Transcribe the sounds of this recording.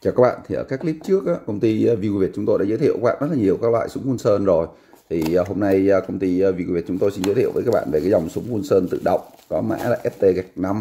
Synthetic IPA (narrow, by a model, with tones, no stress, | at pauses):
t͡ɕaː˨˩ka˦k̚ɓa̰ː˧˨nt̪i˨˩ʔəː˧˩kaː˦˥k̚li˦˥p̚t͡ɕɨ˦˥ək̚ʔaː˧˥kə˧wŋ͡mt̪i˧vi˧u˧vi˨˩t̚t͡ɕʊ˨˦ŋ͡mt̪o˧ja̰ː˧˦zəː˧˥jt̪ḭ˧˨kaː˦˥ɓ̰ːz̚laː˨˩ɲi˨˩əwkaː˦˥k̚lwa̰ː˧˨jsʊ˨˦ŋ͡mxu˧nsəː˧nzo˨˩j | t̪ʰi˨˩˨ɦo˧mna˧jkə˧wŋ͡mt̪i˧vi˧u˧vi˨˩ət̚t͡ɕʊ˨˦ŋ͡mt̪o˧jsi˧nzə̰˧˦t̪ḭ˧˨wvəː˨˦kaː˦˥k̚ɓa̰ː˧˨ve˨˩kaː˨˦jza˨˩wŋ͡msʊ˨˦ŋ͡mxu˧nsəː˧nt̪ɨ̰˧˨ɗə̰˧˨wŋ͡mkɔ˨˦ma̰ː˧˥laː˨˩ʔɛ˦˥p̚t̪e˧ɣa˨˩jk̚na˧m